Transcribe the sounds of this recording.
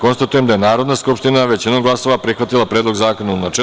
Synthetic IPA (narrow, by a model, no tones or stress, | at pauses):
ko̞nst̪at̪uje̞md̪ajenaːɾod̪naskupʃt̪inaʋe̞t͡ɕinomɡlˠaso̞ʋapɾixʋat̪ilˠapɾeːd̪lˠo̞ɡzaːko̞naunat͡ʃe